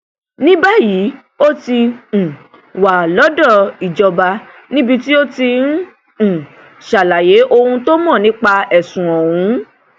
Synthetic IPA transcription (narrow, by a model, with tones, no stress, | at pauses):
nĩ˦ba˦ji˨˦ | o˦tĩ˧˨ | wa˨lɔ˨˦dɔ˦˨i˨d͡ʒɔ˧ba˧ | nĩ˦bi˧ti˦o˦ti˧ñ̩˦˨ | ʃa˨la˨je˨˦ʔo˧hũ˧to˦mɔ̃˦˨nĩ˦k͡pa˧ɛ˨sũ˨ɔ˨wũ˨˦